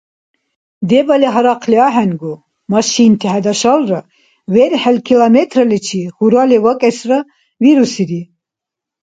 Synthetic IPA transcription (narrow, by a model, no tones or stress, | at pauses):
d̪ɛbalɛɦaɾaqʰliaɦɛnɡu | mɑʃint̪ʰihɛd̪aʃalra | vɛɾħɛlkʰilamɛt̪ʰɾalɛt͡ʃʰihuɾalɛvakʼɛsra | viɾusiɾi